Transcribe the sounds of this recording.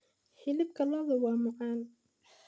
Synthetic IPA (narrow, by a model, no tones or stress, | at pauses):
ħɪlɪb̚kʰɐlɔːðɐwɑːmʊʕaːn